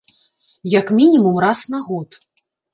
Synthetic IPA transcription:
jakmʲinʲimumrasnaɣɔt̪

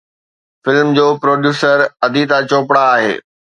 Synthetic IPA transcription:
fɪlmd͡ʑoːpɾoːɖjuːsəɾɐd̪ʱit̪at͡ɕoːpɽaːɦḛː

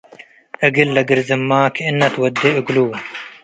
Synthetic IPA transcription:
ɐɡilːɐɡiɾzɐmːaːkʰɪnːɐt̪wɐd̪ːeɐɡluw

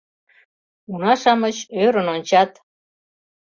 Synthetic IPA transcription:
unɑʃɑmət͡ɕøɾənonʲt͡ɕɑt̪

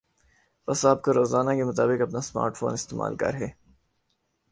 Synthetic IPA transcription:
pɐsaːp̚koɾoːzaːnakemɐt̪aːbɪkɐpnasma̰ːɾʈfo̰ːnɪst̪eːma̰ːlkɐ̰ɾɦɛː

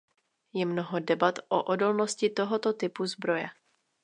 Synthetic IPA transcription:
jɛmnoɦo̞dɛbat̪ʔoʔodo̞lno̞scɪt̪o̞ɦo̞t̪ot̪ɪpuzbɾo̞jɛ

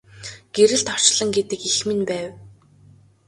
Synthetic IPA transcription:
ɡ̥eɾɘ̆ɮt̪ɔ̥t͡ɕɮə̆ŋɡet̪ɘ̆kixmɘ̆npæːw

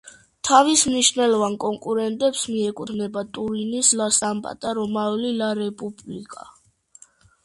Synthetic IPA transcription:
t̪ʰavismniʃnɛlɔvankʼɔŋkʼuɾɛnt̪ʼɛpsmiɛkʼut̪ʰnɛbat̪ʼuɾinislasampʼa̰t̪ʼaɾɔmalilaɾɛpʼublikʼa̰

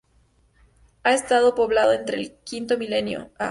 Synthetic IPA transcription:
ae̞st̪að̞o̞po̞βlaðo̞ent̪ɾe̞lkint̪o̞mile̞njo̰a

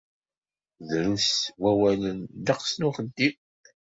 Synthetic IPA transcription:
ðɾuswæwælənd̪ɑqsnʊχəd̪ːi

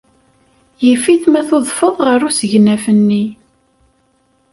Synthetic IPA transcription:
jəfiθmæθoðˤfəðˤʁəɾusəʝnæfənːi

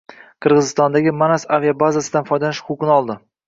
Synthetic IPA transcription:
qʰɨɾʁɨzɪst̪ɒnd̪aɡʲɪmanasavijabazasɪd̪anfɒjd̪anɪʃqʰʊqʰɨnɪɒlˠd̪ɪ

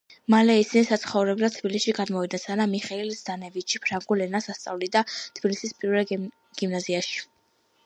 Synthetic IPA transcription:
malɛisinisat̪sχɔvɾɛblat̪t̪ʰb̥ilisʃiɡad̪mɔvid̪nasanamiχɛilsd̪anɛvit͡ʃʰipʰɾaŋɡulɛnasast̪sʼa̰vlid̪at̪ʰbilisispʼiɾvɛl | ɡ̥imnaziaʃi̥

